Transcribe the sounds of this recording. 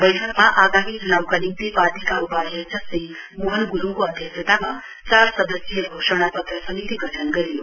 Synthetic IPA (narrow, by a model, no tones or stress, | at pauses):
bəjʈʰəkmaʔaɡaɦiːd͡zunawkənimt̪ipad̪ikaupad̪ət͡ɕasij | muɦənɡuɾuŋkuəd̪ʱjəksət̪ama | t͡saɾsəd̪əsjeɡʱoʂəɽ̃apət̪ɾəsəmit̪iɡʱəʈʰənɡəɾijo